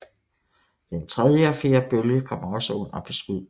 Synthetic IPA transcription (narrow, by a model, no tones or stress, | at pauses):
d̥ent͡sʰʁɛðˠjəfe̝ːɐb̥øljəkʰɒ̽m̰ɐɒ̽səon̰ɐb̥ʰe̝sɡ̥uð̰ˠ